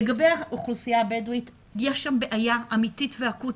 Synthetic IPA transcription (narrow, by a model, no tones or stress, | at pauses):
eɡabejaʔuχlusijabeduit | jeʃambeʔajaʔamititveakut